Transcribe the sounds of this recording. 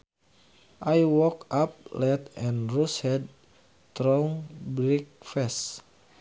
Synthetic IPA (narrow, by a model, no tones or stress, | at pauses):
ʔajwɔkap̚lɛt̪ɛ̃nɹushɛd̚ | t̪ɾɔŋbɾik̚fɛs